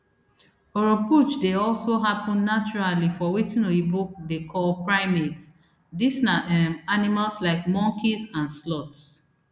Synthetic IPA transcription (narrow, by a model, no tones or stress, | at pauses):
oɹoput͡ʃdeɔlsoɦapɔ̃nːat͡ʃuɹalifɔwitĩnoibuk̚dekʰɔlpɹaɪmets | disnaɛmanimalslaɪkmɔ̃ŋkʰisãnslɔts